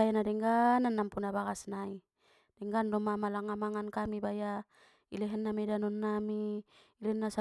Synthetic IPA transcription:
ajanadɛŋɡananːampunabaɡasnai | d̥ɛŋɡandɔmamalaŋamaŋankamibaja | ilɛɦɛnːamɛdanɔnːamiilɛɛnːasa

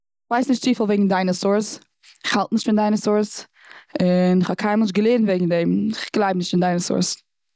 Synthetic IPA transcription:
ɪχv̥aɪsnɪʃtt͡siːfɪlˠveɪɡŋ̩daɪnəsʊɹs | ɪχhalˠtnɪʃtfɪndaɪnəsʊɹs | ɪnɪχhɔkʰaɪnmɛlˠʃɡəlˠeːɾn̩veɡŋ̩dɛmɪχɡ̥lˠaɪbnɪʃtfɪndaɪnəsʊ̰ɹs

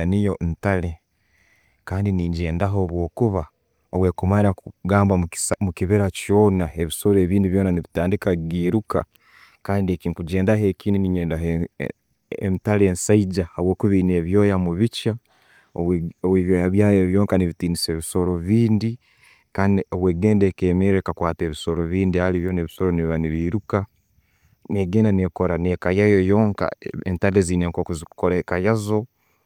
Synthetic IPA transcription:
anijontale̞ | kaːndiniːɲɟe̞ːndaɦo̞ːβwo̞ːkuβa | oβwe̞kumaɾauɡaːmbamumukiβeɾacjo̞ːnae̞βiso̞ɾe̞ːβiːndiβjo̞ːnaniβitaːndikaɡiːɾuka̰ | kaːndiekiŋkuɟe̞ːndahe̞kiːniniɲeːndaɦe | ḛntale̞ːnsaiɟahaβwo̞ːkuβiːne̞ːβjo̞ːjamuβica | oβowiβjojaβjaːjoβjo̞ːŋkaniβitiːniseːβiso̞ɾo̞βiːndi | kaːndioβweːɡeːndekemeɾekakwaːte̞ːβiso̞ɾoβiːndihaliβjoneβiso̞ɾoniβiβaniβiːɾuka | neːɡe̞ːndanekoɾanekajajojo̞ːŋka̰entaleziːneŋkokuziku̥koɾakajazo̞

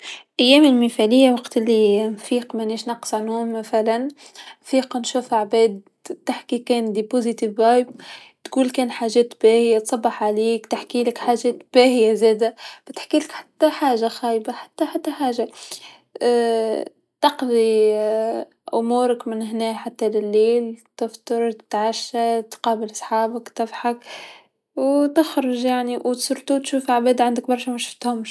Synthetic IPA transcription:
ʔajːɛːmɪlmɪfælɪjːawɑqt̪ʔɪlːinfiːqmæniːʃnɑqːsˤʕanhumːaθalan | fiːqnʃuːfaʕbɛːd̪ | t̪ːaħkikɛːnd̪ipozit̪ivːajb̚ | t̪ɡuːlkɛːnħaːʒɛːt̪bæːhɪjat̪sˤɑbːɑħʕaliːkt̪ɪħkiːlɪkħaːʒɛːt̪b̥æːhɪjazɛːd̪ab̥ɪt̪ħkiːlɪkħḁt̪ːaħaːʒaxæːjbaħḁt̪ːaħat̪ːaħaːʒa | t̪ɑqði | ʔʊmuːɾakmɪnɦnɛːħat̪ːalɪlːeːlt̪ɪft̪ɨɾˤt̪ʕaʃːat̪qɑːbɪlsˤħaːbakt̪ɪfħak | wt̪ɪxɾʊʒjaʕniwt̪sˤʊɾˤt̪ut̪ʃuːfʕabeːd̪ʕand̪ak̚bɑɾˤʃamaʃʊft̪hʊm

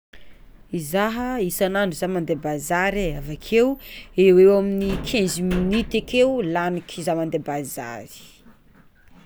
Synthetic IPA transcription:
izaɦəisanaɳɖ͡ʐuzamand̪ebazaɾeavakʰewewewaminikʰẽnziminit̪ekewlanikʰizamand̪ebaza̰ɾi̥

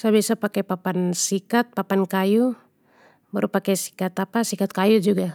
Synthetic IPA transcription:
saβɛsapakɛpapansikat̪̚papankaju | baɾupakɛsi̥kat̪apasikat̪̚kajud͡ʒuɡa

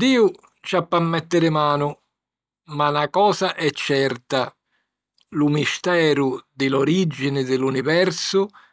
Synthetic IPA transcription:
d̪iːʊ | t͡ʃapːamːɛt̪ːɪɾɪmaːnʊ | malakɔːsaʔɛt͡ʃːɛrt̪a | lʊmist̪ɛːɾʊd̪ɪloɾid͡ʒːinɪd̪ɪlunivɛrsʊ

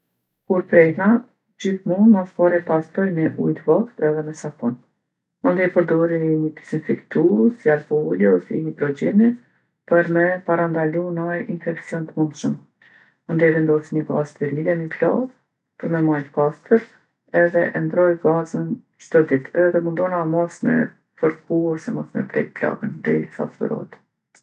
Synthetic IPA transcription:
kuɾpɾɛhna | d͡ʑiθmunmaskɔɾɛpast̪ɔjmɛʔṵjt̪əvɔkt̪ɛðɛmɛsakɔn | mand̪ɛpəɾd̪ɔɾiɲət̪i̥sinfikt̪usjalpɔuliɔsiɲəpɾɔd͡ʒɛni | pəɾmɛpaɾand̪alunajinfɛksjɔnt̪əmund̪ʃəm | mənd̪ɛvɛnd̪ɔsiɲəɡazt̪ɛɾliɛməpla̰ɡ | pəɾmɛmajt̪əkast̪əɾ | ɛðɛʔɛnd̪ɾɔjɡazən | t͡ʃt̪ɔd̪it̪ʰɛɛðɛmund̪ɔnamɔsmɛ̰ | fəɾkuɔsɛmɔsmɛ̰pɾɛ̰jpla̰ɡənd̪ɛ̰sa̰tbə̰ɾɔ̰t̪

